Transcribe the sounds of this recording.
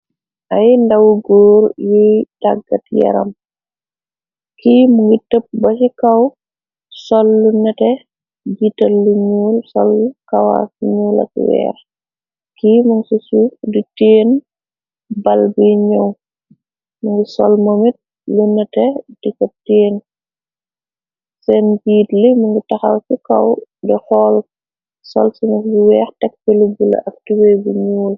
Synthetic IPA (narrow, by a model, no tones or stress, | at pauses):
ʔajndawɡɔːɾjudaɡːatjɛ̰ɾɐ̰m | kimuŋɡitəp̚bɐsikɐw | sɔlːunːɛtɛ | d͡ʒitɐlːuɲuːlsɔlːkawa̰fɲulɐ̰kwɛ̰ːɾ | kimuŋsisuditeːn | bɐlbiɲɐw | mɐŋɡisɔ̰lmomit̚ | lunːɐtɛd̥ikɔteːn | sɛnbiːtlimuŋɡitɐxawsikɐwdɛxɔːl | sɔlsinɐkbiwɛːxtɛk̚pilibulɐ̰ʔɐk̚tiwɛjbiɲuːl